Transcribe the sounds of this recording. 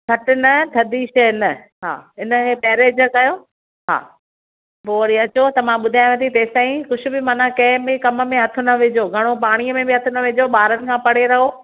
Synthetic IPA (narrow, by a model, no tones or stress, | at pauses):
kʰɐʈʊnɐt̪ʰɐd̪iʃɐjɪnə̆ | ɦa̰ːɪnə̆kepɛːɾeːd͡ʑkɐjoː | ɦa̰ː | poːɐɾiɐt͡ɕot̪ɐmãɓʊd̪ʱajʋẽːt̪ʰit̪eːsaːĩxʊd͡ʑʰʱʊ̆bɪmãːnãkɐ̃ɦɪ̃bɪkɐmə̆mẽɦɐt̪ʰʊ̆nɐʋɪd͡ʑoːɡʱɐɽ̃opaːɽ̃iəmẽbɪɦɐt̪ʰʊnɐʋɪd͡ʑoɓaːɾənɪ̆kʰãːpɐɽ̤eɾɐɦoː